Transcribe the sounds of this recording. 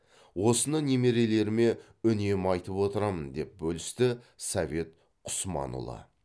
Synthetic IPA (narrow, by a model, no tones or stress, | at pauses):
wo̞sənənemeɾe̞le̞ɾɪme̞ | ʏne̞mɑjt̪əpwo̞t̪əɾɑmənd̪e̞p̚bɵlɪst̪ɪsɑve̞t̪̚ | qʰʊ̥smɑ̰nṵlˠɑ̰